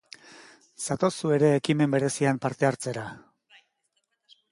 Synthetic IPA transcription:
sat̪o̞sue̞ɾe̞ːkime̞mbe̞ɾe̞siampaɾt̪e̞aɾt͡se̞ɾa

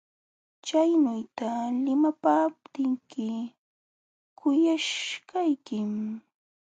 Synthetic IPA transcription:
t͡ʃajnʊjt̪alɪmapaːp̚t̪ɪŋkɪ | kʰʊjaʃkajkɪm

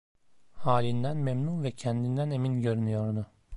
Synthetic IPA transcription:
haːlʲind̪ænmemnunvɛcʰɛnd̪ind̪æne̞minɟø̞ɾynyjo̞ɾnʊ

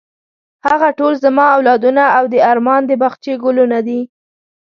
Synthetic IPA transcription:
haɣaʈolzamɑawlɑd̪unaawd̪əaɾmɑnd̪əbaxt͡ʃeɡʊlunad̪i

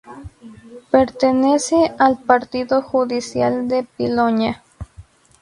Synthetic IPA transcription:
peɾt̪enesealpaɾt̪iðoxuðisjald̪epilonja

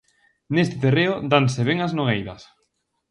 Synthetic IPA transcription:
nest̪ɪt̪ereʊd̪anseβeŋaznoɣejðɐs

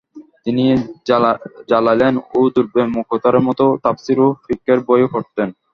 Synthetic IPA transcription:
t̪ini | d͡ʑalajlenod̪uɾbemukot̪aɾeɾmɔt̪ot̪apsiɾofikːeɾbɔjokoʈ̚t̪en

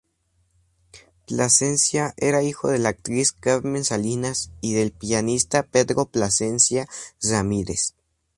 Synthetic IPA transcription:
plase̞nsjaʔe̞ɾaixo̞ð̞e̞lak̚t̪ɾiskaɾmẽ̞nsalinasiðe̞lpianist̪ape̞ðɾo̞plase̞nsjasamiɾe̞̰s

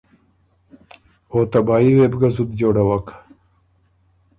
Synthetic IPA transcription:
oːt̪ɐbaːiwebɡɐzud̪d͡ʑoːɽɐwɐk

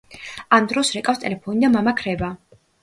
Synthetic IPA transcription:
amd̪ɾɔsɾɛkʼafst̪ʼɛlɛpʰɔnid̪amamakʰɾɛba

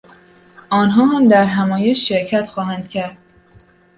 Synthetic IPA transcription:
ʔɒːnɦɒːɦæmd̪æɾɦæmɒːjeʃːeɾcʰæt̪xɒːhænd̪̥cʰæɾd̪̥̚

